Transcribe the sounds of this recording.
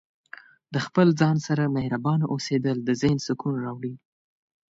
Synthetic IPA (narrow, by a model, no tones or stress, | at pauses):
d̪əxpəld͡zɑnsaɾamehɾabɑnʔosed̪əld̪əzensʊkunɾɑwɽi